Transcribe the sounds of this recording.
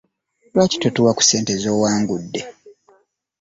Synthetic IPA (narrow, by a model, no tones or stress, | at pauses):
lwaːci̥totuwaku̥se̞ːntezoːwaːŋɡudːe̞